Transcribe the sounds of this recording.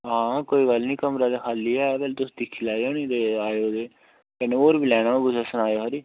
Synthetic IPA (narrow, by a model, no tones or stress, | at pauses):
ɦãːkoːiːɡəlnĩːkəmɾaːd̪eːkʰaːlːiːɛːbɛlt̪ʊsd̪ɪkʰːilaːioːnĩːd̪eːaːjoːd̪eː | kɛneːoːɾbilɛːɽ̃ãːɡʊsaːsənaːjoːɦəɾiː